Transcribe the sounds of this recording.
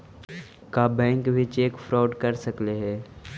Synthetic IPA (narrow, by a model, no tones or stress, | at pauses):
kaːbɛ̃ːŋkbʱɪt͡ʃeːkfɾɔːɖkɐɾsɐkleɦɛː